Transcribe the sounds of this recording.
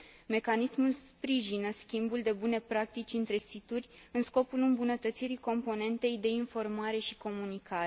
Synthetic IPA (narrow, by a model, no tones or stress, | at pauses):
me̞kanismulspɾiʒinəskʲimbuld̪e̞bune̞pɾak̚t̪it͡ʃʲɨnt̪ɾe̞sit̪urʲɨnsko̞pulɨmbunət̪ət̪siɾiko̞mpo̞ne̞nt̪e̞jd̪e̞info̞rmaɾe̞ʃi̥ko̞munikʰaɾ